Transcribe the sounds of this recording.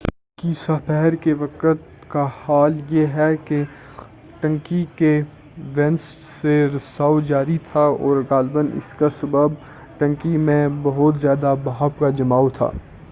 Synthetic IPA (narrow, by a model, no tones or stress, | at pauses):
kiːsapɛɦɛɾkeʋɐqət̪ | kahaːljeɦɛke | ʈɐ̃ŋkike | ʋɛ̃nsseɾʊsaːod͡ʒaːɾit̪ʰaɔːɾɣaːlbənɪ̰skasɐbəb̚ | ʈɐ̃ŋkimẽbɐɦʊt̪zjaːd̪abaɦabkad͡ʒɐmaːot̪ʰa̰ː